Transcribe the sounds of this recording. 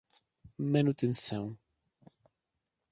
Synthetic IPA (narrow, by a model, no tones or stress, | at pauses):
manut̪ẽnsɐ̃w̃